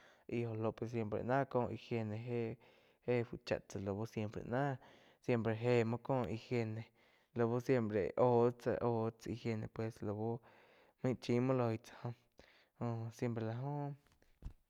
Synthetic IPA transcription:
ʔi˧ho˧lo˧˨pwe˧˨s̬je˧mpɾḛ˨ʔnã˦kõː˦˧ʔi˧hje˧nẽ˧ɦe˦ | he˦fu˧˨t͡ʃa̰˧ʔt͡sa˧˨lo˨bo˦sje˧mpɾḛ˧nã˦ | sje˦˧mpɾe˧˨ɦe˦˧mã˦kõː˦˨˧ʔi˧hje˧nẽ˧˨ | lo˧bo˦sje˧mpɾḛ˨ʔo˧t͡sa̰˧ʔo˧t͡sa˧i˧hje˧nẽ˧pwe˨slo˧bo˦ | mĩ˦t͡ʃĩ˧˦mõ˦lo˧i˧t͡sḁ˧hõ˧ | õ˧sje˦˧mpɾe˧la˧ɦõ˦

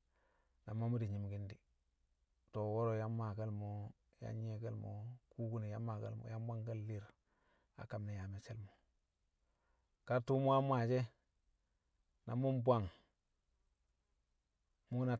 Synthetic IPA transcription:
na˨mːa˦mu˦di˨ɲi˨mɡi˦ndi˨ | to˨wo˦ɾo˨ja˦mːa˨ka˦lmo˦ | ja̰˦e˨ka˦lmo̰˨ku˦ku˦ni˨ja˦mːa˨ka̰˦lmo̰˨ja˦mba˦ŋɡa˦lːi˦ɾ | a̰˨ka˨mne˨ja˨me˨sḛ˦lmo˨ | ka˦ɾtu˦mu˦a˦mʷ˦a˨d͡ʒe˦ | na̰˨mu˦mbʷa˦˨ŋ | mu˦na˨

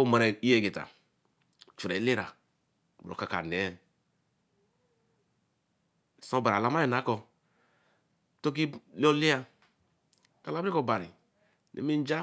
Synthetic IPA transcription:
o˦ma˨ɾe˨i˦je˨ɡi˨ta̰˨ | t͡ʃu˨ɾe˨˦li˦ɾa̰˨ | bo̰˨ka˨ka̰˨ne˨˦˨ | so˦ba˨ɾa˨la˦ma˦i˨na˨˦kɔ˨ | to˦k̬i˦lo˦li˦ja˦ | ka˨la˦i˦ko˨ba˨ɾḭ˨ | nḛ˨mi˦d͡ʒa˦

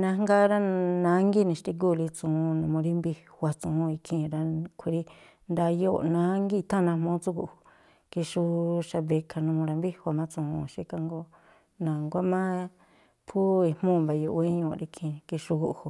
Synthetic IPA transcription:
nã˧ŋ˦ɡa˦ɾa˦nã˨˦ŋɡi˦˨nĩ˧ʃt̪i˧k̬u˦˨˧li˧t͡sũ˨˧nũ˧mũ˧ɾi˦mbi˧hwa˧t͡sũ˧˨ũ˧i˧kʰĩ˧˨˧ɾa˧kʷʰi˧ɾi˧ | nd̪a˧jo˦˧˨nã˨˦ŋɡi˦˧t̪ʰã˦˨nã˧mõ˦t͡su˦ku˧ʔhu˧˨ | ki˧ʃu˧ʃa˧βe˧kʰa˧nũ˧mũ˧ɾa˧mbi˦˧hʷa˧mã˦t͡sũ˧ũ˧ʃi˦ka˧ŋɡo˦ | nã˨ŋɡʷa˦mã˦ | pʰu˦i˧mũ˦˨ba˨jo˧ʔe˦ɲõ˧˨˧ɾi˧kʰĩ˧˨ki˧ʃu˧ku˧ʔhu˨

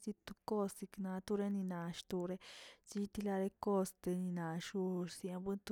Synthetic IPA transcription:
si˧t̪u˧ko˦si˧knã˧˦t̪u˧ɾe˦nĩ˧nã˨ʃt̪u˧ɾe˦t͡ʃi˦˧t̪i˧la˧ɾe˧ko˦st̪e˧nĩ˧nã˨ʃu˧si˧ã˧bɨ˦nt̪u˧

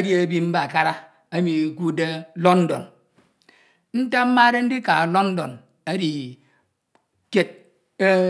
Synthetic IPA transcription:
a˦di˦a˨bi˦m̩˦ba˨ka˦ɾa˦ | a˦mi˨ku˦de˦lo˦n̩˦do̰˨n | n̩˦ta˦m̩˦ma˦ɾe˦n̩˦di˦ka˨lo˦n̩˦do̰˨n | a˦di˨ | ke˦t̚

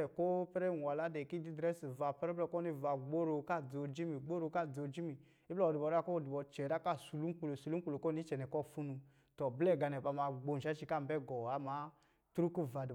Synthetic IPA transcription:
ɛ˨ko˦pɛ˦ɾɛ˦˨n˨a˨la˨˦dɛ˨ki˦di˦dɾɛ˦si˨va˧˨pɛ˦ɾɛ˦lɛ˧˨ko˦i˧˨va˨ɡ͡bo˦ɾo˧˨ka˦˨d͡zo˨˧˨d͡ʒi˦mi˨ɡ͡bo˦ɾo˧˨ka˦˨d͡zo˧˨d͡ʒi˦mi˨ | i˦plɔ˦˨di˨bɔ˨ɾa˦ko˦˨di˨bɔ˧t͡ʃɛ˨ɾa˦ka˦˨su˨lu˦k͡pu˧lo˨su˨˧lu˦u˧lo˨ko˦ni˦t͡ʃɛ˨nɛ˨kɔ˦˨fu˦nu˧ | tɔ˨blɛ˦˨ɡa˨˧nɛ˨pa˧˨ma˧˨ɡ͡bo˨˧n˨ʃa˦t͡ʃi˧ka˦m˨bɛ˦˨ɡɔ˨a˨˦ma˨˦ | tɾu˦ku˦˨va˨di˨

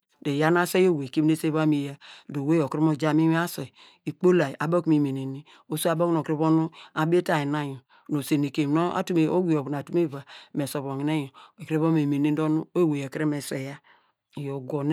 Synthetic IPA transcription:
de˨ja˦na˦se˦jo˦˨we˨ki˦m˦e˦se˦βa˦mi˨ja˦do˨we˦jo˨kɾi˦mo˦˨d͡ʒa˦mi˦wa˦se˨ | i˨k͡po˦la˨ʔa˨bo˦kmi˨me˨ne˨ni˦ | o˦su˦a˨bo˦o˨kɾi˦βo˦nu˦a˨be˦ta˨i˨na˦jo˨ | no˨se˨ni˨ke˨m˨no˦a̰˨tu˦me˨o˦ɡʷi˦jo˨bn˨a˨tu˦me˦˨va˨me˨so˨βo˨ŋi˨ne˦jo˨e˨kɾi˦βo˦me˨me˨ni˦do˦nu˦o˦˨we˨je˨kɾi˦me˨se˨ja˦˨ | jo˨ɡo˨n˦

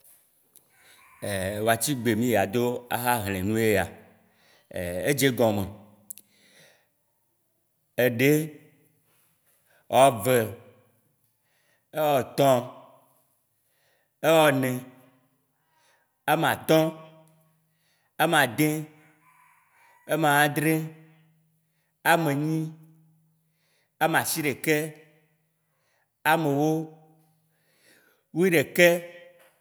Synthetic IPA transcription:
e˨wo˨a˨t͡ɕi˦ɡ͡be˨mĩ˦ja˨d̪o˦a˦ɦa˦ɦl̃ẽ˨nũ˦je˦a˨ | ḛ˨e˦d͡ʒe˦ɡɔ̃˨mẽ˨ | e˦ɖe˦ | wʔɔ˦ve˨ | e˦wɔ˦t̪ɔ̃˦ | e˦wɔ˦nɛ̃˨ | a˦m˨a̰˨t̪ɔ̃˦ | a˦m˨ã˨d̪ẽ˦ | e˦m˨ã˨wã˦d̪ɾe˦ | a˨mẽ˨ɲĩ˦ | a˦m˨ã˨si˦ɖe˨kɛ˦ | a˨mẽ˨wo˦ | wu˦i˦ɖe˨kɛ˦

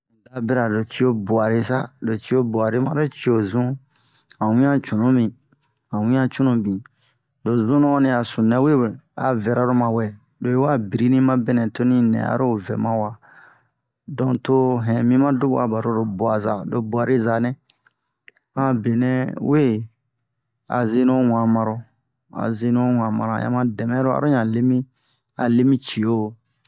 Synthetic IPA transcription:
da˨be˦ɾa˨do˨t͡ʃi˦o˦bu˨a˨ɾi˦sa˦do˨t͡ʃi˦o˦ba˨ɾi˦mã˦ɾo˦t͡ʃi˦o˨zũ˦ | ã˨wĩ˦ã˦t͡ʃũ˨nũ˦mĩ˨ | ã˨wĩ˦ã˦t͡ʃũ˦nũ˨bĩ˨ | do˨zũ˦nõ˦a˦nĩ˨a˨sũ˨nɛ̃˨˦we˦˨we˨a̰˨vɛ˨ɾa˨˦ɾo˦mã˨wɛ˨ | do˨e˦wa˦bi˨ɾi˦nĩ˦mã˦be˦nɛ̃˨to˦nĩ˦nɛ̰̃˨a̰˨˦ɾo˦vɛ̰˨mã˦wa˨ | dɔ̃˨to˦ɦɛ̃˨mĩ˦mã˦du˦ba̰˨ba˨ɾo˦ɾo˨bu˨a˨za˨do˨bu˨a˨ɾe˦za˨nɛ̃˦ | ã˦be˨nɛ̃˦we˦˨ | a̰˨ze˦no˦wã˨mã˨ɾo˨ | a̰˨ze˦nõ˦wã˨mã̰˨ɾã̰˨jã̰˦mã˦dɛ˨mɛ̃˦ɾo˦a̰˨ɾo˦ɲã˨le˦mĩ˦ | a˨le˦mĩ˦t͡ʃi˨o˦˨

